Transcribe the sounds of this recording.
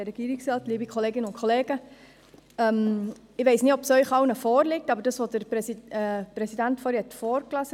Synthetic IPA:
əɾɛɡ̥iːɾɪksɑːtliːbikʰχɔleːɡɪnəʊnkʰoleːɡ̥ə | ɛm | ɪʋeɪsnɪtɔpsœʏχɑwnəfɔːɾlɪk̚tɑbəɾdɑsʋod̥əɾpɛsipɾɛsidæntfɔːɾhɛtfɔːɾklɑsə

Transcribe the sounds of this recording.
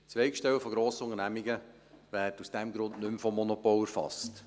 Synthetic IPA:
t͡sʋɛɪkʃtɛwəfɔɡɾoːsəʊŋənæmiɡə | ʋæːtusd̥ɛmɡɾʊndnʏmfɔmːɔnopɔləɾfɑ̰st

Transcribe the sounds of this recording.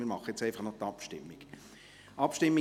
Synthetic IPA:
mɪɾmɑχəjɛt͡sæɪfɑχnɔχt̪ɑpʃtɪmːiɡ̥ | ʔɑpʃtɪmːi

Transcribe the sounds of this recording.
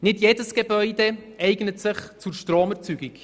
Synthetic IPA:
nɪdjeːdəsɡ̥ebœʏde | ɛɪɡnətsɪχt͡suɾʃtroːməɾt͡syɡik

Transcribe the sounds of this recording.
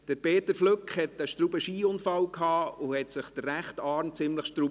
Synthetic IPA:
d̥əɾpeːt̪əɾfløkχhɛtəʃtɾubəʃiːʊnfɑwkhɑːuhɛtsɪχd̥̪ərːæχtɑːɾmt͡sɪmləχʃtɾu

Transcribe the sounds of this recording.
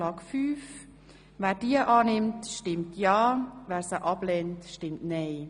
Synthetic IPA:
ɑːɡfyːf | væːɾdiəʔɑːnɪmtʃtɪmtʰjɑːvæːɾsəʔɑb̥lɛntʃtɪmtnɛɪ

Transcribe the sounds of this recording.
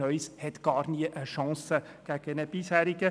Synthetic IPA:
œʏshɛt̪ɡ̥ɑːɾniəʔəʃɑ̃ːsəɡ̥æɡ̥ənəb̥ishæːɾiɡə

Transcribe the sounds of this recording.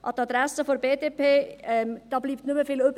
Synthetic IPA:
ʔɑtɑd̪ɾɛsəfɔɾbeːdeːpʰeːd̥ɑbliːp̚t̪nʉməfiːløb

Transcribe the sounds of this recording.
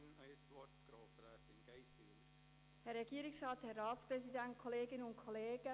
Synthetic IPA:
nasɔtɡ̥ɾoːsɾɛːt̪ɪnɡ̥eɪsb̥ḭ̥ | hɛɾːɛɡiəɾɪksʁɑːthɛrːɑːtt͡spɾɛsidænt̚kʰoleːɡɪnəʊnkʰoleːɡ̥ə

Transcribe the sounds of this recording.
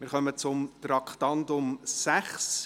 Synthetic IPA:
mɪːɾχœmət͡sʊmtɾɑkχtɑntʊmsæχs

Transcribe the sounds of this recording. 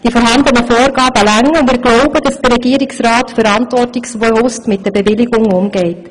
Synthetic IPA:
d̥ifɔɾɦɑnd̪ənəfoːɾɡɑːbəlæŋːəʊndmɪːɾɡlɔʊbəd̥ɑsd̥əɾɛɡiːəɾɪksraːtfəɾɑntvɔrtɪksʋɔlʊstmɪt̚d̥ɛbɛvɪliɡʊŋʊmɡ̥ɛɪt

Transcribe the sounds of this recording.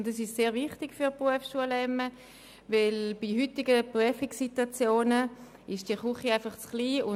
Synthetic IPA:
ndɛsɪʃseːʁvɪχtɪɡ̥fyʁpʁuəfsʃuəlɛmːə | vɪlb̥iɦytɪɡəpʁyəfɪksitwat͡sjoːnə | ɪʃd̥iəχuχiaɪfɑχt͡sχliːʊ

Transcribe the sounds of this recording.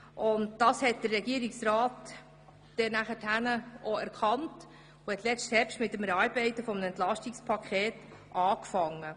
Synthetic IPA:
ʔʊntd̥ɑːshɛt̚d̥ərːɛɡiəɾiksɾaːt | d̥ɛnæχəthænəʔoɛɾkʰɑnt | uhɛtlɛt͡sthɛɾpʃtmɪtːəmɛɾɑɾbɛɪtəfɔmənɛntlɑʃtikspʰɑkʰχɛːt | ʔɑːkfɑŋːə

